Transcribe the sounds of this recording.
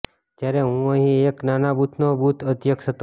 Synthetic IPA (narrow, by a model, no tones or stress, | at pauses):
d͡ʒjaɾeɦũəɦĩeknanabʱut̪ʰnobʱut̪ʰət̪jəkʃət̪o